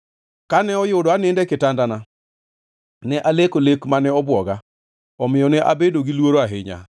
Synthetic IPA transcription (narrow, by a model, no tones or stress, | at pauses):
kanɛɔjʊdɔanendɛkɪtandana | nɛʔalekolekmanɛɔbwɔɡa | ɔmɪjɔnɛʔa̰bedoɡilwoɾoaɦɪɲa̰